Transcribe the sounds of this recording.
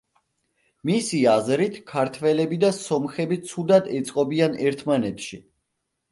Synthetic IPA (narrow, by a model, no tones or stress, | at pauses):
misiazɾit̪ʰkʰaɾt̪ʰvɛlɛbid̪asɔmχɛbit̪sʰud̪ad̪ɛt̪sʼqʼɔbianɛɾt̪ʰmanɛt̪ʰʃi